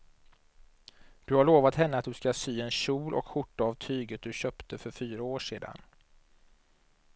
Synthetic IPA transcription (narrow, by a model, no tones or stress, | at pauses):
d̪̥ɵhaɭoːvat̪hɛnːəat̪̚d̪ɵskasyːɛnɕuːlʔɔ̰kɧʊʈːaavt̪ʰyːɡət̪̚d̪ɵɕœːpt̪ʰəfœɾfyːɾaoːʂeːd̪a̰n